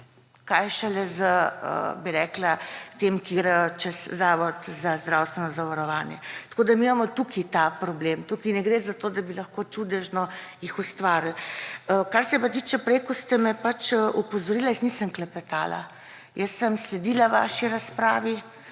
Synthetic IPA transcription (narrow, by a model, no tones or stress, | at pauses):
kajʃɛlɛzəə̰biɾɛklat̪emkiɡɾɛjt͡ʃɛszaːʋɔt̪zazd̪ɾawst̪ʋɛnɔzaʋaɾɔʋaːnjɛ̰t̪koːd̪amiːmamɔt̪ukʰit̪apɾɔblemt̪ukinɛɡɾezat̪od̪abilɐxkot͡ʃud̪ɛʒnɔjixust̪ʋaːɾl̩əkaɾsɛpat̪iːt͡ʃɛpɾekɔst̪ɛmɛpat͡ʃəʔupɔzɔɾiːlajəsnisəmklɛpɛt̪a̰ːla̰ | jəsːəmslɛd̪iːlaʋa̰ʃiɾaspɾaːʋi